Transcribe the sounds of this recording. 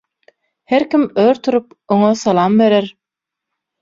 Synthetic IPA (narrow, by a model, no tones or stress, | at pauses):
heɾkimøɾt̪ʰuɾup̚ | oŋosɑlˠɑːmbe̞ɾeɾ